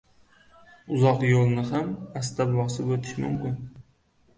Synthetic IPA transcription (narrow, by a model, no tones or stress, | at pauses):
ʊzɒqjolˠnɪɦamast̪abvɒsɪbot̪ʰɪ̥ʃmʊmkʲɪn